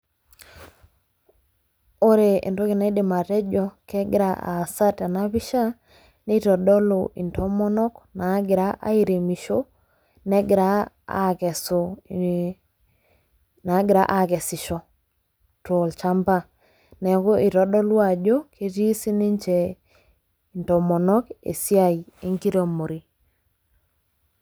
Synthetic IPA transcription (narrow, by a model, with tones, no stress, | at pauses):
o˦ɾe˨ʔḛ˨nto˦kɪ˨na˦i˦dɪ˨ma˨tɛ˦d͡ʒɔ˦kɛ˦ɡɪ˦ɾa˦ʔa̰˨sa˦ta˨na˦pi˦ʃa˦ | ni˦tɔ˨dɔ˦lo˨ʔḭ˨ntʰɔ˦mɔ˦nɔ˦kna˨˦ɡɪ˨ɾa˦ʔa̰˦i˨ɾe˨mi˨ʃo˦ | nɛ˦ɡɪ˨ɾa˦ | a̰˦kɛ˨so˨ | na˨˦ɡɪ˨ɾa˦ʔa˦˨kɛ˨sɪ˨ʃɔ˨ | to˨lt͡ʃa˦mba˦˨ | nɛ˨kɔ˦i˨tɔ˨dɔ˦lwa˨d͡ʒo˦kʰe˦ti˦si˦ni˦ɲt͡ʃɛ˨ | i˨ntɔ˨mɔ˨nɔ˦kḛ˨si˦a˨i˨e˦ŋki˦ɾo˨mo˨ɾi˨